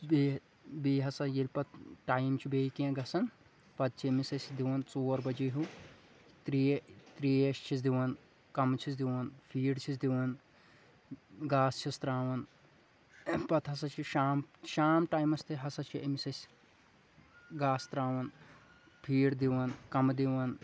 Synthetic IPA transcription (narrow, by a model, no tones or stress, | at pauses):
be | biːɦɐsɐjilʲpɐt̪̚ʈaːjmt͡ʃʰibeːkẽɡɐsɐn | pɐt̪̚t͡ʃʰiɐmisɐsʲd̪iʋɐnt͡soːɾbɐd͡ʒiɦu | t̪ɾit̪ɾiːeʃt͡ʃʰisd̪iʋɐn | kɐmt͡ʃʰis̬d̪iʋɐnpʰiːɽt͡ʃʰisd̪iʋɐn | ɡaːst͡ʃʰist̪ɾaːʋɐn | pɐt̪ɦɐsɐt͡ʃʰiʃaːmʃaːmʈaːjmɐst̪iɦɐsɐt͡ʃʰiɐmisɐsʲ | ɡaːst̪ɾaːʋɐn | pʰiːɽd̪iʋɐnkɐmd̪iʋɐn